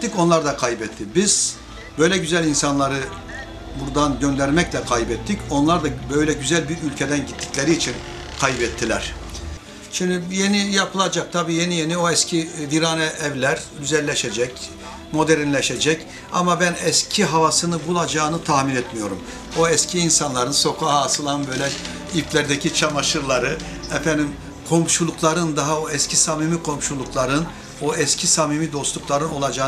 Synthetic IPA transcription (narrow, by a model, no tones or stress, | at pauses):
ico̞nlˠaɾd̪akʰajbɛt̪ʰːibiz̥ | bø̞jlʲɛɟyzælʲinsanlˠaɾɯ | buɾd̪anɟø̞nd̪æɾmɛclʲɛkʰajbɛt̪ʰːico̞nlˠaɾd̪abø̞jlʲɛɟyzælʲbiɾylʲcʰed̪ænɟit̪ʰːi̥clʲe̞ɾiːt͡ʃʰin | kʰajbɛt̪ʰːilʲæɾ̥ | ʃimd̪ije̞nijapʰɯlˠad͡ʒak̚t̪ʰabiːje̞nijenio̞ɛscʰiviɾanɛʔːvlʲæɾd̪yzɛlʲːeʃed͡ʒɛc | mo̞d̪ɛɾinlʲɛʃed͡ʒɛc | a̰mabænɛscʰiɦavasɯnɯbulˠad͡ʒaːnɯt̪ʰahminɛt̪mijo̞ɾum | oɛscʰiːnsanlˠaɾɯnso̞kʰaɦaːsɯlˠanbø̞jlʲɛ | iflʲæɾd̪ɛcʰit͡ʃʰamaʃɯɾlˠaɾɯ | ɛfɛnd̪im | kʰo̞mʃulˠukʰlˠaɾɯnd̪aɦaoɛscʰisamimikʰo̞mʃulˠukʰlˠaɾɯn | oɛscʲʰisamimid̪o̞st̪ˠuklˠaɾɯno̞lˠad͡ʒaː